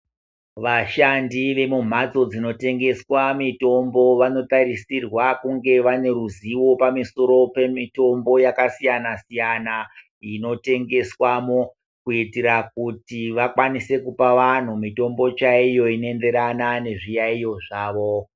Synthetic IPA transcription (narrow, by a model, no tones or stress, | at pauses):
ʋaʃandiʋe̞mum̤ad͡zo̞d͡zino̞te̞ŋɡe̞swamito̞mbo̞ʋano̞taɾisirwakuŋɡe̞ʋane̞ɾuziwo̞pamiso̞ɾo̞pemito̞mbo̞jakasijanasijana | ino̞te̞ŋɡe̞swamo | kuitiɾak̚utiʋakwanise̞kupaʋan̤umito̞mbo̞t͡ʃaijo̞ine̞nde̞ɾanane̞ʐijaijo̞ʐaːʋo